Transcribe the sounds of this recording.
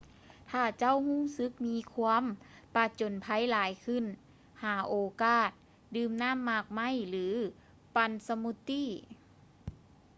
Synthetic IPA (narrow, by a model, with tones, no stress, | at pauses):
t̪ʰaː˧˩t͡ɕa˥˨whuː˥˩˨msɯ˧˦k̚miː˧˥kʰu˧əmpa˧t͡ɕo˨˦npʰa˧˥jlaː˨˦jkʰɯ˧˩˨n | haː˨˩˦ʔoː˨˧kaː˧˩t̪̚ | dɯː˧mnaː˥˨mːaː˧˩k̚ma˧˥˨jlɯː˨˦ | pa˧nsa˧mu˧t̪ːiː˧˥˨